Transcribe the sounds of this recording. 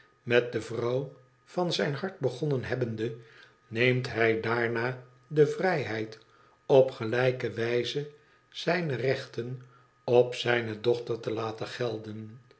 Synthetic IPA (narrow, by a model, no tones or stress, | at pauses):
mɛt̚dəvrɑw | vɑnzɛjnɦɑɹt̚bəχɔnənɦɛbəndə | nejmtɦɛjdaːɹnaː | dəvrɛjɦɛjt | ɔpχəlɛjkəʋɛjzə | z̥ɛjnərɛχtən | ɔpsɛjnədɔχtəɹtəlaːtəχɛlˠdən